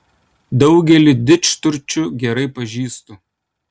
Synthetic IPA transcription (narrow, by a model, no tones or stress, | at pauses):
d̪ɒʊɡʲɛlʲɪd̪ʲɪt͡ʃt̪ʊɾʲt͡ʃʲʊɡʲɛɾɐɪpɐʒʲiːst̪ʊ